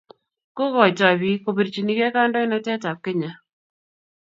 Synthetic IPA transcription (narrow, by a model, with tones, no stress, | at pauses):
kʊ˦kɔ˨jta˨bi˨ko˨pi˨ɾt͡ʃi˨ni˦kɛ˦ka˦ndɔ˦ɪ˦nɔ˦tɛ˦ta˨p̚kɪ˦ɲa˨